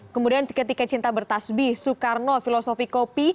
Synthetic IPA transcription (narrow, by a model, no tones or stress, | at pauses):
kəmudiankət̪ikat͡ʃint̪abərt̪asbihsukarnofilosofikopi